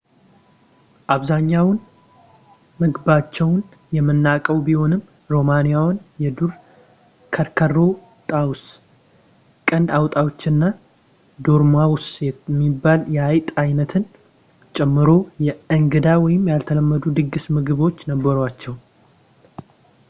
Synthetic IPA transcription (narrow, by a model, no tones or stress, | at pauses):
ʔaβzaɲːawn | mɨɡbat͡ʃːɛwn | jɛmɨnːakʼəwbiho̞nɨm | ɾo̞manijawnjɛd̪uɾ | kʰəɾkʰəro̞ | t̪ʼaws | kʼənd̪awt̪ʼawot͡ʃːɨnːa | d̪oɾmawʊsɛmːibːaljɛajt̪ʼajnət̪ʰɨn | t͡ʃʼɛmːɨɾo̞jɛɨŋɡɨd̪awɔjɪmjalt̪ʰələmːəd̪ud̪ɨɡːɨsmɨɡɨβo̞t͡ʃːnəbːəɾat͡ʃːɛw